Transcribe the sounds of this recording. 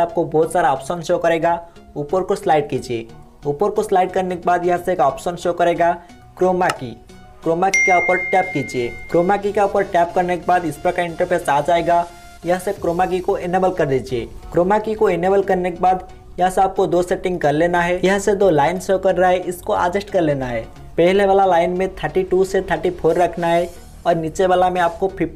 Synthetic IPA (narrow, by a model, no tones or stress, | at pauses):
aːp̚kobɔːt̪saːɾaɔːpʃənʃoːkɐɾeːɡa | uːpəɾkoslaːɪʈ̚kiːd͡ʒiḛ | uːpəɾkoslaːɪɖ̚kɐɾnekebaːd̪jɐɦãseeːkɔːpʃənʃoːkɐɾeːɡa | kɾoːmakḭ | kɾoːmakikaupəɾʈɛːp̚kiːd͡ʒiekɾoːmakikaupəɾʈɛːp̚kɐɾnekebaːd̪ɪspɾakaɪ̃ɳʈəɾpʰeːsaːd͡ʒaːeɡa | jɐɦãsekɾoːmak̬ikoeneːbəlkɐɾd̪iːd͡ʒiḛːkɾoːmakikoeneːbəlkɐɾnekebaːd̪ | jɐɦseaːp̚kod̪oːsɛʈɪ̃ŋɡ̚kɐɾleːnaɦɛjɐɦə̃sed̪oːlaːɪnsoːkɐɾːaɛʔɪskoʔa̰ːd͡ʒəʃʈkɐɾleːnaɦɛː | pɛɦleʋaːlalaːɪnmẽt̪ʰəɾʈiʈuset̪ʰəɾʈipʰoːɾːɐkʰnaɦɛ | ɔːɾniːt͡ʃebaːlamẽaːp̚kopʰɪp